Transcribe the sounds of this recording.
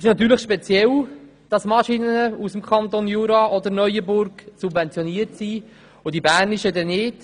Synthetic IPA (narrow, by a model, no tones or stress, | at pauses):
ɪʃnɑt̪yːɾləχʃpɛt͡sjɛl | d̥ɑsmɑʃinənəusəmkʰɑnt̪onjuːɾɑʔɔd̪əɾnœjəbʊɾɡsubvɛnt͡sjoniətsi | ʊdibæːrniʃədɛnɪt